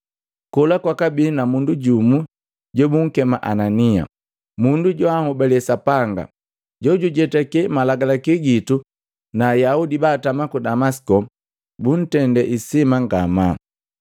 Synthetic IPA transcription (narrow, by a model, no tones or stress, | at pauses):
kɔlakwakabinamunduɟumu | ɟɔbuŋ̩kɛmaʔanania̰ | munduɟɔahɔbɛlɛsapaŋɡa̰ | ɟɔɟuɟɛtakɛmalaɡalakiɡitu | naːjaudibaːtamakudamasi̥kɔ | bun̩tɛndɛʔisimaŋɡama